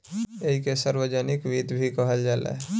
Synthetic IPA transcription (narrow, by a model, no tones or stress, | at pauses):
eɦikesəɾwəd͡ʒənɪkʋid̪bʱikəɦəld͡ʒaːlḛ